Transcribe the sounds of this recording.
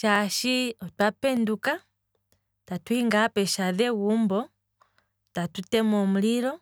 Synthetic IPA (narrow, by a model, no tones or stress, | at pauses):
ʃaʃiɔtwapɛnduka | tatwiŋɡapɛʃaðɛwumbɔ | tatutɛmɔm̩lilɔ